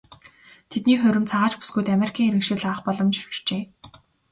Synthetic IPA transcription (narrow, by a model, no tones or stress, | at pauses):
t̪ʰet̪niːχɵ̟ɾʲɘ̆mt͡sʰaʁaːt͡ɕpu̥sɡujt̪ameɾikʰiːŋiɾɘ̆kʃĭkɮaːχpɔɮɞ̆mt͡ɕt͡ɕ̆rt͡ɕeː